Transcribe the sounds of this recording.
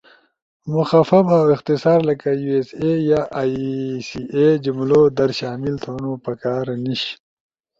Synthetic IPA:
muxafɐbawɪqt̪ɪsaːɾlɐkajuːesejaːʔsied͡ʑumloːd̪ɐɾɕaːmilt̪ʰoːnopɐkaːɾniɕ

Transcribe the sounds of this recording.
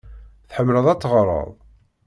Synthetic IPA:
θħəmːləðˤæt͡sːʁɾˤə̰ðˤ

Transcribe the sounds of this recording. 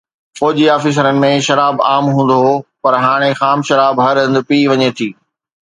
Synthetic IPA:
fɔːd͡ʑiaːfiːs̬əɾənɪ̆mẽʃɐɾaːbaːmɦũːn̆d̪opɐɾɦaːɽ̃exaːmʃɐɾaːbɦɐɾə̃nd̪piːʋɐɲet̪ʰiː

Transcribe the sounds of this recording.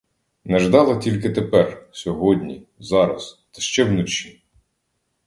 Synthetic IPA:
nɛʒd̪ɑlˠɐtʲilʲkɪt̪epɛrsʲɔɦɔdʲnʲḭzɑɾɐ̰st̪ɐ̥ʃt͡ʃɛwnʊt͡ʃi

